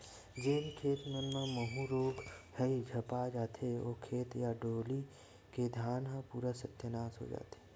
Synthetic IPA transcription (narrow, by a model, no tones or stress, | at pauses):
d͡ʒeːnkʰeːt̪mənmãməɦũɾoːɡhɛid͡ʒʱɐpad͡ʒaːt̪ʰeoːkʰeːt̪jaɖoːli | ked̪ʱjaːnɦãpuːɾasət̪jənaːsɦo̰ːd͡ʒa̰ːt̪ʰe̥ː